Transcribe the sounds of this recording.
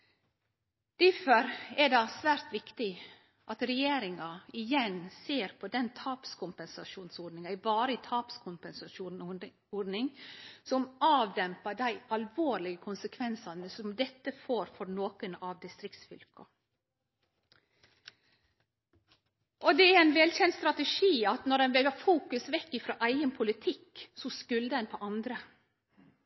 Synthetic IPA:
d̪̥ɪfœɾɛd̪ɑsʋæːɾt̪ʋɪkt̪ɪ | ʔɑt̪ɾɛjeːɾɪŋɑɪjɛnseːɾpʰɔd̪ɛnt̪ʰɑːpskʰʊmpɛnsɑʃuːnsɔɾɖnɪŋɑɪbɑːɾəɪt̪ʰɑːpskʰʊmpɛnsɑʃuː | ɔɖnɪŋsɔmɑːʋd̪ɛmpɑɖæɪɑlʋoːɾɭɪɡəkʰʊnsəkʰʋɛnsɑnəsɔmd̪ɛt̪ːəfoːɾfɔɾnoːkənɑʋd̪ɪst̪ɾɪk̚t̪sfʏlkʰɑ | ʔɔd̪ɛæɾæɪnʋɛlçɛnt̪st̪ɾɑt̪əʂiːɑt̪nɔɾdɛnʋɛɡɑfuːkʉsʋɛkːɪfɾo̰ːʔæɪɡənpʰʊlɪt̪ʰɪkːsɔskʉld̪əɛnpʰɔʔɑnd̪ɾə

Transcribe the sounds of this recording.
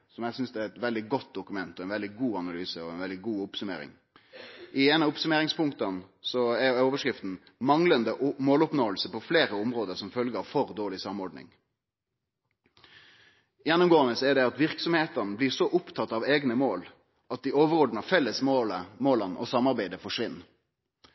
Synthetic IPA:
sɔmjæsʏnsd̪ɛæɾɛt̪ʋɛld̪ɪɡɔt̪̚d̪ʊkʉmɛnt̪ɔɛnʋɛld̪ɪɡuːɑnɑlyːsəɔɛnʋɛld̪ɪɡuːʊpsʉmḛːɾɪ̰ŋ | ʔɪeːnəʊpsʉmeːɾɪŋspʰʊŋkt̪ɑnsɔæɾoːʋəʂkɾɪft̪n̩ | mɑŋlənd̪əmoːlʊpnoːəlsəpʰɔfleːɾəʊmɾoːd̪əɾsɔmfœlɡəɾɑʋfɔɾd̪oːɭɪsɑmɔɾɖ̪nɪ̰ŋ | jɛnːʊmɡoːənəsɛɖ̪ɛɑt̪ʋɪɾksɔmheːt̪ənəblɪsɔʔʊpt̪ʰɑt̪ːɑʋeːɡnəmoːl | ʔɑt̪̚d̪ɪoːʋəɾoːd̪n̩ɑʋfɛlːəsmoːləmoːlɑnʔɔ̰sɑmːɑɾbæɪd̪əfɔʂʋɪnː

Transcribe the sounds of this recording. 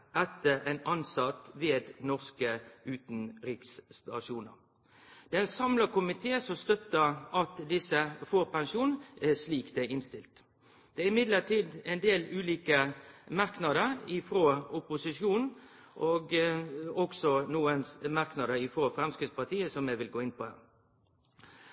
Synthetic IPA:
ʔɛt̪ːəæɪnɑnsɑt̪ʋeːd̪nɔʁskəʉːt̪n̩ɾiːkst̪ɑʂuːnəɾ | d̪̥ɛːɛsɑmləkʊmɪt̪ʰeːsɔmst̪œt̪ːəʁʔɑt̪d̪ɪsəfoːʁpɛnʃuːnsliːkd̪æɪnst̪ɪlt̪ | d̪̥ɛæɾɪmɪd̪ləʁt̪ʰiːd̪ɛɪnd̪eːlʉːliːkəmɑʁknɑd̪əɾɪfɾoːʊpʊsɪʂjuːnn̩ | ʔoːɡ | ɔɡsɔnuːənmɑʁknɑd̪əɾɪfʁoːfɾɛmskɾɪt̪spɑt̪ʰiːəsɔmjɛʋɪlɡoːɪnpʰɔhæ̰ːʁ

